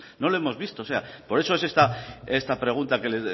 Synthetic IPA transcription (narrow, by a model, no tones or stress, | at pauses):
no̞loe̞mo̞zβist̪o̞ːse̞apo̞ɾe̞soes̬e̞st̪aest̪apɾe̞ɣ̞unt̪ake̞le